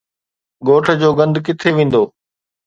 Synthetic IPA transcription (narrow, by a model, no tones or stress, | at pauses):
ɡoːʈʰə̆d͡ʑoːɡɐ̃nd̪kɪt̪ʰeʋẽːn̆d̪oː